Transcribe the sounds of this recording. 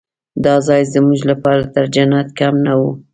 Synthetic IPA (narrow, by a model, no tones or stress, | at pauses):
d̪ɑzɑjzəmuʒlapɑɾat̪əɾd͡ʒanɑt̪kamnawu